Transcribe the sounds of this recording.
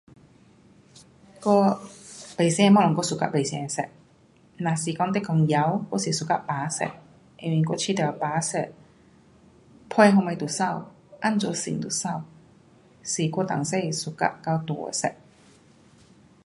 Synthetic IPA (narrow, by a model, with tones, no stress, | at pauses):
kɔ˥˧pe˨˩jsɛ˧mɔ˧˥lɔ˨ŋkɔ˧su˨˩ka̰˧˥pe˨˩sɛ˧˩ɛ˨˩sɛ̰˨˧˩ʔ̚ | naː˨˩si˨˩kɔ˧˥ŋt̪̬e˥kɔ˧ŋja˧˥wkɔ˧˥si˨˩su˨˩ka˧˥ʔpaː˨˦sɛ̰˧˩ʔ̚ | e˧˩wi˧ŋkɔ˧t͡ɕʰi˧˥t̪ɛ˨˩˧paː˨˥sɛ˨˧˩t̚ | pʰɔ˧jɦo˧ma˧jt̪u˨˩sa˥˧˨w | ʔa˥˨nt͡sɔ˧˦sḭ˨˩˦nt̪u˨˩sa˥˩˨w | si˨˩kɔ˧t̪a˨˩ŋse˥˧˩su˨˩ka̰˧˥ʔka˧wt̪ṵ˧˨˦sɛ̰˧˩k̚